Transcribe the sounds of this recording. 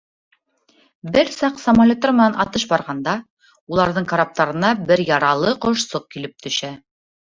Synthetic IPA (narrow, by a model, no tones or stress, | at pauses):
bɘɾsɑqsɐmalʲot̪ːoɾmɘ̆nænʔɑt̪ɤʃbɑɾʁɑnd̪ɑ | ulˠɑɾðɤɴkɐɾap̚t̪ɑɾɤ̆nɑbɘɾjɑɾɑlˠɤqoʃsoq̚kilɘp̚t̪ʰɵ̆ʃæ